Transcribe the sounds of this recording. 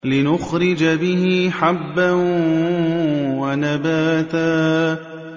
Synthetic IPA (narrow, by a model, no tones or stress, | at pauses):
lɪnʊxɾɪd͡ʒabɪɦɪħabːan | wanabaːt̪aː